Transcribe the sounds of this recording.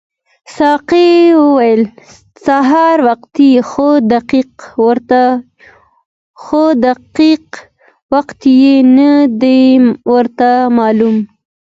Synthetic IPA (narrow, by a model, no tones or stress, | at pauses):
sɑqewəwajəl | saɦɑɾwaqt̪ixod̪aqiqwɾt̪a | xod̪aqiq | waqt̪jenad̪ejwəɾt̪amɑlum